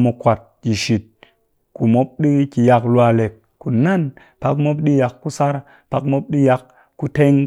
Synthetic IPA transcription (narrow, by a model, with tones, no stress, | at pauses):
mo˨˧kʷa˨t̚ki˨ʃi˨t̚ | ku˨mo˦p̚ɗi˦ki˨ja˧kla˧le˨k | ku˨na˦n | pa˧kmo˦p̬ɗi˦ja˨kːu˦sa˦ɾ | pa˦kmo˦p̚ɗi˦ja˧kː | u˦te˦ŋ